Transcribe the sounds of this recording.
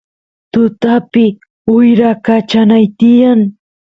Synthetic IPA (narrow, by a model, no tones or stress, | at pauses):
t̪ʊt̪apɪ | ʊjɾakat͡ʃanajt̪ɪjaŋ